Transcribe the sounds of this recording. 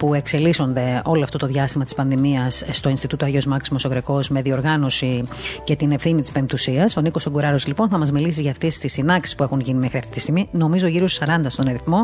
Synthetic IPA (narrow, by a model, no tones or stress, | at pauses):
pue̞kse̞liso̞nd̪e̞o̞loɐft̪o̞t̪oðʝɐst̪imɐt̪ispɐnðimiɐsst̪o̞inst̪it̪ut̪oɐʝeozmɐksimo̞soɣɾeko̞zme̞ðio̞ɾɣɐno̞sice̞t̪ine̞fθinit̪i̥spe̞mt̪usiɐso̞niko̞soɡuɾɐɾo̞zlipo̞nθɐmɐzmilisizʝɐːft̪est̪isinɐksi̥spue̞xunʝinimexɾiɐft̪it̪ist̪iɣmino̞mizoʝiɾossɐɾɐnd̪ɐst̪onɐɾiθmo̞